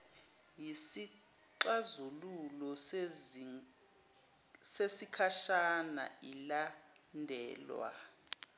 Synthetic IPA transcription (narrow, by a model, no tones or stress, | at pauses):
jisi | ǃazululɔ | sesikʰaʃana̰ilandʱɛːlwa̰